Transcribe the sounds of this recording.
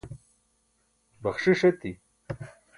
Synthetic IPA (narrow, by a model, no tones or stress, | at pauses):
bɐxʂiʂɐt̪i